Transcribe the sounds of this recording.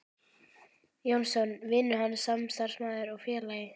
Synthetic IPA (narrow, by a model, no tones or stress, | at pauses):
jownsɔnvɪnːʏɦansamst̪ar̥smaːðɪɾɔɣfjɛːlaːjɪ